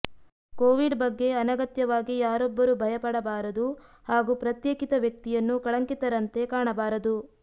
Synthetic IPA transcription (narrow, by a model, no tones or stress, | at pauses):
koːʋiɖbɐɡːe̞ɐnɐɡɐt̪jɐʋaːɡijaːɾɔbːɐɾubʱɐjɐpɐɽɐbaːɾɐd̪u | haːɡupɾɐt̪jeːkit̪ɐʋjɐk̚t̪ijɐnːukɐɭɐŋkit̪ɐɾɐnt̪e̞kaːɳɐbaːɾɐd̪u